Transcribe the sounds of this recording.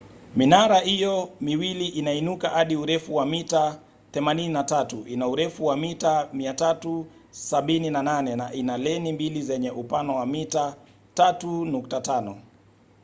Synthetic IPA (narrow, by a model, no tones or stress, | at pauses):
minaɾahijɔmiwiliʔinainukahaɗiuɾɛfuwamita | θɛmanininatatuʔinauɾɛfuwamitamiatatu | saɓininananɛnaʔinalɛnimbilizɛɲɛʔupanɔwamita | tatunuktatanɔ